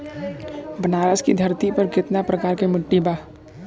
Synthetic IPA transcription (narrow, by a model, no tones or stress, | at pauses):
bənaɾaskid̪ʱart̪ipərɡit̪̚napərkaɾkeməɖ̥ibah